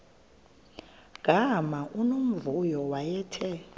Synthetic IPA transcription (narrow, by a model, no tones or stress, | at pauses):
ɡ̥ʱʼamaʔunom̩vujɔwajɛːtʰɛ